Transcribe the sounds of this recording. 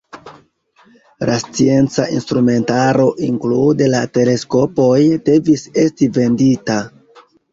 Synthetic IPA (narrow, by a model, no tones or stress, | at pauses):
last͡sie̞nt͡saʔinstɾume̞ntaɾo̞ʔiŋklude̞late̞le̞sko̞po̞jde̞vise̞stive̞ndita